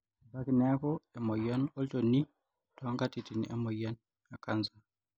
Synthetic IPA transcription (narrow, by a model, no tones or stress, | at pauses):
bakinɛkɔɛmɔjanɔltonːi | tɔŋkatitiniʔɛmɔjan | akansa